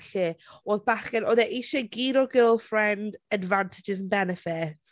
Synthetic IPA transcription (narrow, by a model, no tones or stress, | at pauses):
ɬɪoːðbaχɛnʔɔðɛʔiʃɛɡiːɾɔɡɪlˠfɹɛndədvantʰɪd͡ʒɪzənbɛnɪfɪt